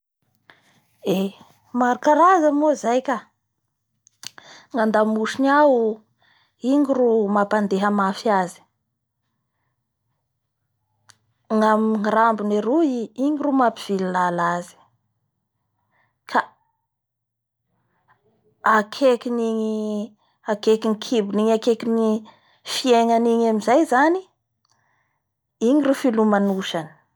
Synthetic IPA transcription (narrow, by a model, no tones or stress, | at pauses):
e | maɾakaɾazamozajkʲa | ŋand̪amuʃiniau | iŋirumapand̪eɦəmafiazi̥ | ŋamiŋiɾambuneɾuiiŋiɾumapiv̥ililalazi̥ | kʰa | akʰekʲiniɲi | akekiŋikʰibuniɲakekini | fieŋaniɲamizajzani | iɲiɾufilumanuʃani̥